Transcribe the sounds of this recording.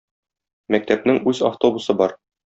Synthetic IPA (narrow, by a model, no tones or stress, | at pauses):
mæk̚t̪æp̚nɘŋʉzɐ̰ft̪o̞busɤbɒɾ